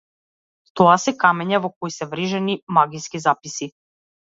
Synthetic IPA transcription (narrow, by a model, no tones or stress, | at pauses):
t̪ɔasɛkamɛɲavɔkɔjsɛvɾiʒɛnimaɡiskizapisi